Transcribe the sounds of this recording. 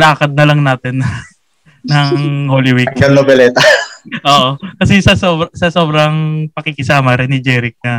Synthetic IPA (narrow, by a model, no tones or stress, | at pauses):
laːkɐd̪̚nɐlɐŋnaːt̪ɛn | nɐŋhoːliwiɛnobɛlɛt̪ɐʔoːʔokɐsɛsɐso̞ːbɾɐsɐso̞ːbɾɐŋpɐkɪkɪsaːmɐɾɛnːɪd͡ʒɛːɾɪk̚nɐ